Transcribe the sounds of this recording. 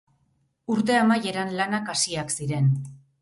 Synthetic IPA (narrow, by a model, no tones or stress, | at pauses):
uɾt̪̬e̞amaje̞ɾanlanakasiaksiɾe̞n